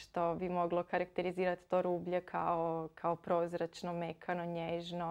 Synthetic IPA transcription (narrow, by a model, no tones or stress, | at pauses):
ʃt̪o̞bimo̞ɡlˠo̞kaɾakt̪eɾiziːɾat̪t̪oːɾuːbʎekʰaokʰaopɾo̞zɾat͡ʃnomekʰanoɲeːʒno